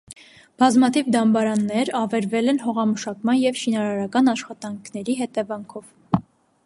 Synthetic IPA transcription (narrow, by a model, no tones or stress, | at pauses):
b̥ɑzmɑt̪ʰivd̪ɑmbɑɾɑnːɛɾɑvɛɾvɛlɛnɦɔʁɑməʃɑkmɑnjɛvʃinɑɾɑɾɑkɑnɑʃχɑt̪ɑŋkʰnɛɾiɦɛt̪ɛvɑŋkʰɔv